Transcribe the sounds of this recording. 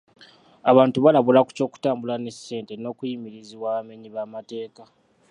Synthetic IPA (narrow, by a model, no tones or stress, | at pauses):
aβaːntuβalaβulaku̥co̞ːku̥taːmbulane̞se̞ːnte̞no̞ːkujimiɾiziβwaːβame̞ɲiβamate̞ːka